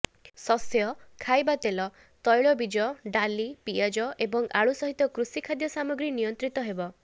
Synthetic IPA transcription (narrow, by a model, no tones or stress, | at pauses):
sɔsjɔkʰajbat̪elɔ | t̪ɔjɭɔbid͡ʒɔɖalipiad͡ʒɔʔebɔŋaɭusɔɦit̪ɔkɾusikʰad̪jɔsamɔɡɾinijɔnt̪ɾit̪ɔɦebɔ